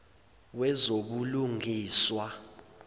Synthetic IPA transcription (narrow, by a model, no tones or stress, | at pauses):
wɛzoɓuluŋiːswa